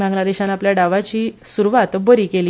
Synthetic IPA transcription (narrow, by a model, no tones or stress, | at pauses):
bãŋɡlad̪eɕanapljaɖaʋat͡ɕiːsuɾuʋat̪bəɾiːkeliː